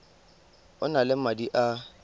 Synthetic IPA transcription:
ʊnalɪm̩madiʔa

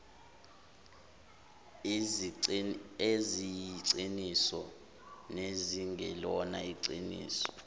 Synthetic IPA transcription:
ezijǀinisɔ | neziŋɡɛlɔnaiǀinḭːsɔ̥

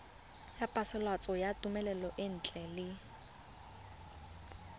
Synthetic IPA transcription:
japʼasɪlwat͡sʼɔjatʼumɛlɛlɔʔɪn̩ːt͡ɬʼɛlɪ

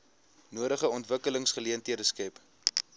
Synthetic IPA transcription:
nuəɾəχəɔntvəkələŋsχəliəntiədəskɛp

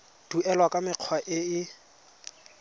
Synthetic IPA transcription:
d̥uʔɛlwakʼamɪq͡χʰwaʔɪɪ

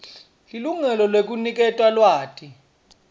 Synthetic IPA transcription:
liluŋɛlɔlwek̬unik̬ʼɛtʼwalwaːtʼi

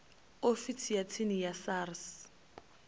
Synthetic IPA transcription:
ofit͡sʰijat͡sʰɪnɪjasaːrs

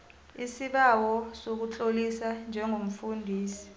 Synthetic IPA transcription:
isiɓawɔsok̬ut͡ɬʼolisand͡ʒʱɛŋʱom̩fundʱiːsi̥

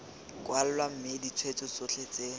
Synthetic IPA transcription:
kʼwal̩lwam̩mɪdit͡sʰwet͡sʼʊt͡sot͡ɬʰet͡se

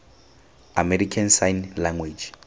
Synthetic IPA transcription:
amɛɾikʰansajnlaŋɡwed͡ʒ

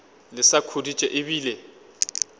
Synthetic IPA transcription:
lɪsakʰodit͡ʃʼɛʔɪbiːlɛ

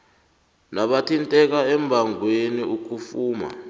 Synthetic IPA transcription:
naɓatʰintʼɛk̬aɛmbʱaŋweniuk̬ufuːma̰

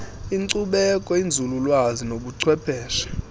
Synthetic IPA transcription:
iŋǀuɓɛkʼɔind͡zʱululwazinoɓuǀʰwɛpʰɛːʃḁ

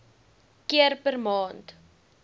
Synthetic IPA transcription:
kiərpərmɑːnt

